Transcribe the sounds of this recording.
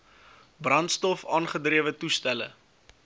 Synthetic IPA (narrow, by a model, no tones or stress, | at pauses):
brɐntstɔfɑːnχədriəvətustælə̰